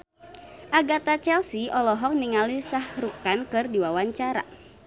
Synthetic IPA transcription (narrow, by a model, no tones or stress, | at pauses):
ʔaɡat̪at͡ʃɛlsiʔɔlɔɦɔk̚niŋalisahɾukankɨrdiwawaɲt͡ʃaɾa̰